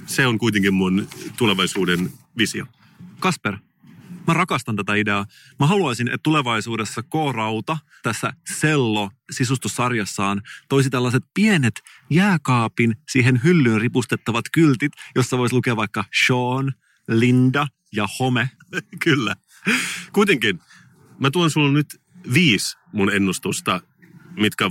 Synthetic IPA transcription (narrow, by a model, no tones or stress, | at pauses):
seoŋkuit̪eŋkimmunt̪uleʋɑjsuːdenʋisio | kɑsper | mærɑkɑst̪ɑnt̪æt̪æide̞ɑ | mɑɦɑluɑsinʔet̪t̪uleʋɑjsuːde̞sːɑkoːrɑwt̪ɑ | t̪æsːæselːosisust̪usːɑrjɑsːɑːnt̪o̞is̬it̪ælːɑs̬et̪̚pienet̪ | jæːkɑːpinsiːɦenɦylːyːnripust̪et̪ːɑʋɑt̪kylt̪it̪josːɑʋojslukeɑʋɑjkːɑʃoːn | lindɑ | jɑhome | kylːæ | kuit̪eŋkin | mæt̪uɑnsulːnyt̪ | ʋiːs | munenːust̪ust̪ɑ | mit̪kæ